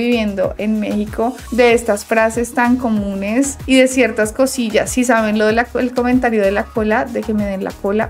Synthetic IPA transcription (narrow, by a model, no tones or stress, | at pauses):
iβje̞nd̪o̞̰ʔe̞nme̞xikʰo̞ | d̪e̞est̪asfɾase̞st̪aŋko̞mũne̞siðe̞sje̞ɾt̪askosiʝasːisaβe̞nlo̞ðelaelko̞mẽnt̪aɾjo̞ðe̞lako̞laðe̞ke̞meðenla̰ko̞la